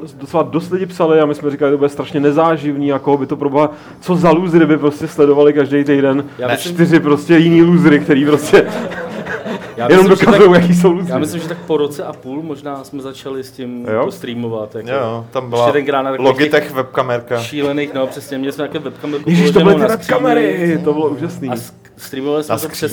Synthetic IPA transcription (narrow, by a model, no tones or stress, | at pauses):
dot͡sɛlado̞st̪lɪɟɪpsalɪamɪsmɛɾɪkalɪt̪obʊdɛst̪ɾaʃɲɛnɛzaːʒɪvniːako̞ɦobɪt̪o̞pɾoboɦa | t͡so̞zaluzɾɪbɪpɾo̞scɛslɛdo̞valɪkaʒdejt̪̬ɛjdɛnjat͡ʃt̪ɪrɪpɾoscɛjɪniːluzɾɪkt̪ɛɾiːpɾoscɛ | jaːjɛnomdo̞kazujowjakiːs̬o̞wluːzjɾːɪmɪslɪmʒɛt̪ak̚poɾot͡sɛʔapuːlmoʒnaːsmɛzat͡ʃalɪscɪmjjoost̪ɾiːmovat̪jakojot̪ambɪllad̪ɛnɡɾaːnat̪aloɡɪt̪ɛxvɛp̚kamɛɾkaʃiːlɛnejxnopr̥ɛsɲɛmɲɛlɪsmɛt̪akɛvɛp̚kamɛɾkɛʒiːʃt̪obɪlɪɪvɛkamɛɾɪt̪obɪloʔuːʒasniː | st̪ɾiːmovalɪsnɛt̪oɛ